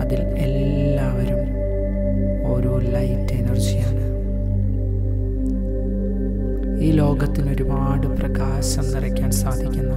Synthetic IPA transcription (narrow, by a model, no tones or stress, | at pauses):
ɐðil | e̞lː | aːʋɐɾum | o̞ːɾuːlɐjtːenirt͡ɕːijaːɳɨ | iːlo̞ːɡɐt̪ːino̞ɾubaːɽɨprɐɡaːɕɐmnirɐkʲːaːnsaːd̪ʱikʲːunːɐ